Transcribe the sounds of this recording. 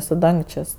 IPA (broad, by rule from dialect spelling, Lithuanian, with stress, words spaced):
sʊ ˈdɐŋkt͡ʃʲeːsʲ